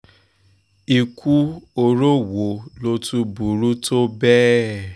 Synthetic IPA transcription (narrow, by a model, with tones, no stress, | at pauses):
i˧ku˦o˧ɾo˦wo˨lo˧tu˧bu˨ɾu˦to˦bɛ˦